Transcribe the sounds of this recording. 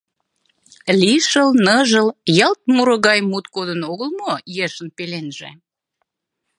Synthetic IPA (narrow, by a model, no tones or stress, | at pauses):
liʃəlnəʒəljɑlt̪̚muɾə̆ɣɑjmut̪̚kod̪ənoɣəlmojeʃənpelenʒḛ